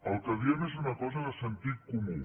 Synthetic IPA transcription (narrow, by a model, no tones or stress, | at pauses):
əlˠkəðiəmesunəkɔzəðəsənt̪it̪̚kumu